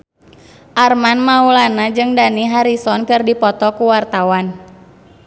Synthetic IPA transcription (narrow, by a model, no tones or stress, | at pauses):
ʔarmanmaulanad͡ʒɨŋdaniɦaɾisɔnkɨrdipɔt̪ɔkuwart̪awan